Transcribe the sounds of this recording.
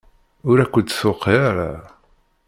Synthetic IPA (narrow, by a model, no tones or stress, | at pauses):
ʊɾækʷːət̪ːθʊqːeɾa